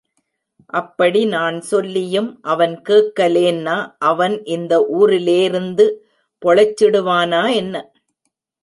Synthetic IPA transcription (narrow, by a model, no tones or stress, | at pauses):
ʔɐpːɐɽinaːnsɔlːɪjɯmʔɐʋɐnkeːʈkːɐleːnːaːʔɐʋɐnʔɪnd̪ɐʔuːɾɪleːɪɾɯnd̪ɯ | pɔɭɐt͡ʃːɪɽɯʋaːnaːɛnːɐ